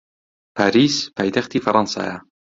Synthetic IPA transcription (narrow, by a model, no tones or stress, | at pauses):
pʰaːɾiːspʰaːjt̪ʰæxt̪iːfɑɾˤɑnsa̰ːja